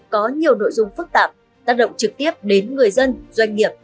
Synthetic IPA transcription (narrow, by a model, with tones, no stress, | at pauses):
kɔ˨˦ɲi˨˩əwno̰˧˨jzʊ˧ŋ͡mfɨ˦˥k̚t̪aː˨˩p̚ | t̪aː˦˥k̚ɗə̰˧˨wŋ͡mt͡ɕɨ˨˩k̚t̪i˦˥əp̚ɗe˨˦nŋɨ˨˩əjzə˧nz̥wa˧jŋ̟ŋi˨˩əp̚